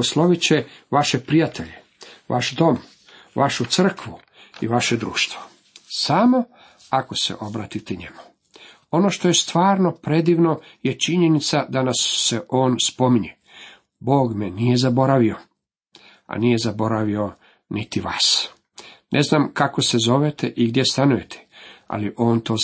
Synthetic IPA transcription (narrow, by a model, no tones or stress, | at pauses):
oslˠo̞ʋit͡ɕeʋaʃe̞pɾijat̪ʰeʎe̞ | ʋʔa̰ʃd̪o̞m | ʋaʃut̪sr̩kʋu | iʋaʃe̞d̪ɾṵːʃt̪vo̥ | saːmo̞ | ako̞sḛʔo̞bɾaːt̪it̪ɛɲemu̥ | o̞no̞ʃt̪o̞je̞st̪ʋaːɾno̞pɾe̞d̪iʋno̞je̞t͡ʃiɲe̞nit̪sad̪anasːe̞ʔoːnspo̞miɲe | bo̞ːɡme̞nije̞zabo̞ɾaʋio̞ | a̰nije̞zabo̞ɾaʋio̞ | nit̪iʋa̰ːs | nʔe̞znaːmkakose̞zo̞ʋet̪eʔiɡd̪je̞st̪anuje̞t̪ʰe̥a̰liʔo̞ːnt̪o̞ː